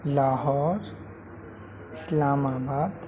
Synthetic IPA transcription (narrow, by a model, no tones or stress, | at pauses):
laːɦɔːɾ | ɪslaːmaːbaːd̪